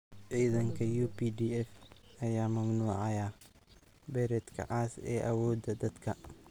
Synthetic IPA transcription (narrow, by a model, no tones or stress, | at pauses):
ʕiːðɐŋkʰɐjuːpidiːɛfɐjaːmɐmnuːʕɑjaː | bɛɾɛːd̪kʰɐ̰ʔaːsɛ̰ːʔɐwɔːd̪ɐd̪ɐd̪kʰɐ